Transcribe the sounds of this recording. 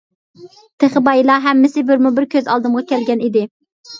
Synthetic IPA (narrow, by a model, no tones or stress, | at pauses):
t̪ʰeχɪbɑjilˠɑɦɛmːɪsɪbɪɾmubɪɾkʲʰøzɑ̰lˠd̪ɨmʁɑkʲʰɛlɡʲɛnid̪ɪ